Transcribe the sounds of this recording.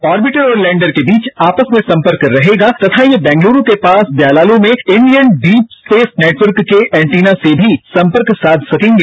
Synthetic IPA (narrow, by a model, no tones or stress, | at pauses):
ɔːɾbɪʈəɾɔːɾlɛ̃ːɳɖəɾkebiːt͡ʃaːpəsmẽsɐ̃mpəɾkɾɐɦeːɡat̪ɐt̪ʰajebɛ̃ːŋɡluːɾõkepaːsb̪jaːlaːlõmẽɪ̃ɳɖijənɖiːpsʈeːfneːʈʋəɾkːeɛ̃ːɳʈiːnasebʱisɐ̃mpəɾksaːd̪ʱsɐkẽːŋɡe